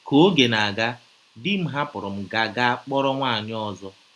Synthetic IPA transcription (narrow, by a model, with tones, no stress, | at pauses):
ko˦ɡe˨na˨ɡa˦ | dɪ˦m̩˦ɦa˦pʊ˨ɾʊ˨m̩˨ɡa˨ɡa˦k͡pɔ˦ɾɔ˦ŋʷa˦˨ɲ˦ɔ˦zɔ˦